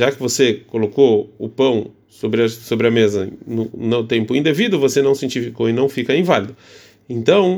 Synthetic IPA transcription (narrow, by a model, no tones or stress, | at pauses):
ʒakɪvosekolokoʊpɐ̃w̃ | sobɾɪɐsobɾɪɐmezɐnʊnɐ̃t̪ẽmpʊĩnd̪evid̪ʊvosenɐ̃w̃siẽt͡ʃifikoɪnɐ̃w̃fikɐĩvalid̪ʊ | ẽnt̪ɐ̃w̃